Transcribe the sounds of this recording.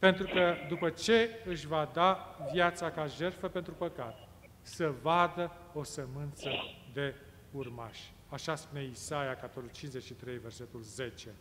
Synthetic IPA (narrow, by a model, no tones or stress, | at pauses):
pe̞nt̪ɾukəd̪upət͡ʃe̞ɨʃvad̪avjat̪sakaʒe̞rfəpent̪ɾupəkat̪ | səvad̪ə | o̞səmɨnt̪səd̪e̞ | urma̰ʃʲ | aʃaspune̞isajakat̪oɾut͡ʃinszet͡ʃʃit̪ɾe̞jve̞rse̞t̪ulze̞t͡ʃe̞